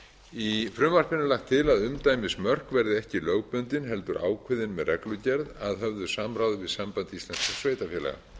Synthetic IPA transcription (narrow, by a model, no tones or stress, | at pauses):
ifɾʏmvar̥pɪnːʏlaxt̪ʰːɪlaðʏmt̪aːjmɪsmœr̥kvɛɾðɪɛhcɪlœɣpʏnt̪ɪnɦɛlt̪ʏɾʔa̰ːwkʰvɪðɪnmɛðrʔɛklʏcɛɾðaðɦœvðʏsamɾaːwðʏvɪðsampant̪ɪist̪lanskḁsveːjt̪afjɛlɛ̰ɣa̰